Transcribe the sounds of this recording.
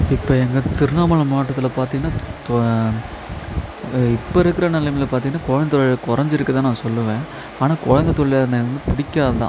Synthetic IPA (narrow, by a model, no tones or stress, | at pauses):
ɪpːoɛŋɡɐt̪ɪɾɯnaːmɐɭɯmːʈːɐt̪ːɪlɐpaːɾt̪̬iŋɡɐnːaːt̪ | ɪpːɐɪɾɯkːɯɾɐnɐlɐmɪlpaːɾt̪iŋɡɐnːaːkɔɻɐnd̪ɐt̪ɔɭkʊɾɐɲd͡ʒɪɾɯkːɐt̪aːnaːsɔlːɯʋẽː | aːnaːkɔɻɐnd̪ɐt̪ɔɭɪjaːɐnɐʋɐnd̪ɯpɪɽɪkʲːaːðɐt̪ã̰